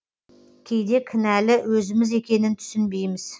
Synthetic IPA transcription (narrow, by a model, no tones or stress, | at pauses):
kʲʰe̞jd̪e̞kʲʰɪnælɪwɵzɪmɪze̞kʲe̞nɪnt̪ʰʏ̥sɪnbe̞jmɪz̥